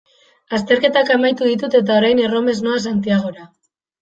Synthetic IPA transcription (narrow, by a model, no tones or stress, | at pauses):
ast̪e̞ɾke̞t̪akamajt̪uðit̪ut̪e̞t̪̬ao̞ɾajne̞ro̞me̞zno̞as̬ant̪̬iaɣ̞o̞ɾa